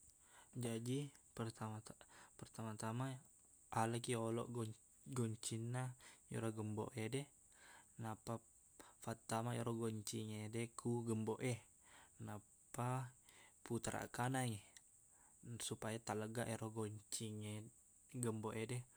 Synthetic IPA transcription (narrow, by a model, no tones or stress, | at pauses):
d͡ʒadipərt̪aapərt̪amat̪ama | aləkiolɔ̰ʔ | ɡɔɲt͡ʃinːajo̰ɾɔɡəmbo̰ʔedɛ | napa | fat̪ːamajoɾɔɡoɲt͡ʃiŋedɛkʰuɡəmboʔɛ | na | pa | put̪ɾa̰kanaŋe | supajat̪aləɡaʔeɾoɡoɲt͡ʃiŋe | ɡəmboʔedɛ